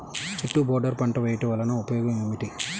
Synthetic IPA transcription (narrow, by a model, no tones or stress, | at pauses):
t͡ʃiʈːubɔːɾɖɐɾpɐɳʈɐʋɐjʈiʋɐlɐnɐupɐjɔːɡɐmemiʈi